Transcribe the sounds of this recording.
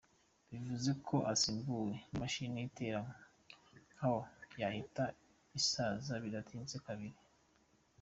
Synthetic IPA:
βivuze̞kʰo̞ʔasiːmbuwe̞maʃineite̞ɾamo | ŋahojahita | isaːzaβidatʰiːnzekaβiɾi

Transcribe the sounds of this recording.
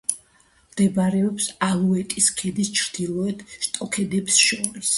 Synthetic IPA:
md̪̥ɛbaɾɛɔpsalˠuɛt̪ʼiskʰɛd̪ist͡ʃʰɾd̪̥ilˠɔɛt̪ʃt̪ʼɔkʰɛd̪ɛpsʃɔɾis

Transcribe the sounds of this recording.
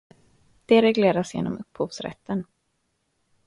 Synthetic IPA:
d̪̥ɛɾɛɡleːɾasjḛːnɔ̰mɵphuːvsɾɛ̰t̪ːən

